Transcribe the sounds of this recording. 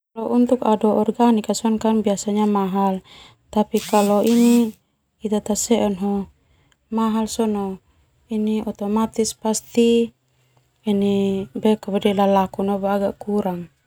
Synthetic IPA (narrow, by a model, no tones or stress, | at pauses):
alɔʔunt̪ukadɔɔrɡanikasɔnkanbiasaɲamaɦal | t̪apikalɔiniː | t̪at̪asɛʔɔnɦɔ | maɦalsɔnɔ | iniɔt̪ɔmat̪ispast̪i | inibɛkabɛdɛlalakunɔbaɡaʔkuɾaŋ